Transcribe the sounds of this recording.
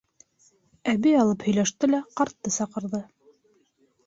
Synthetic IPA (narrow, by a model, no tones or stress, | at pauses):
æβijɑlˠɤphɵ̆jlæʃt̪ɘlæqɑɾt̪ːɤsɑqɤ̆ɾðɤ